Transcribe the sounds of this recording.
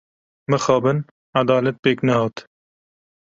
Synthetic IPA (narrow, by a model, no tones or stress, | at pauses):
mɨxɑːbɨn | ʕad̪ɑːlɛt̪̚peːknɛhɑːt̪